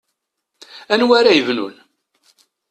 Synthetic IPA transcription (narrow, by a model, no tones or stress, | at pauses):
ænwæɾæjəvnṵn